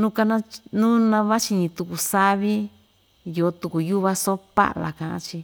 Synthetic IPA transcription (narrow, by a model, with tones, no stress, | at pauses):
nũ˦ka˧nã˦nũ˦nã˧βa˦t͡ʃi˧ɲĩ˧t̪u˧ku˨sa˦βi˦ | jo˨˦t̪u˧ku˨ju˦βa˧so˦pa̰˦ʔla̰˨kã˧˨ʔã̰˦t͡ʃi˧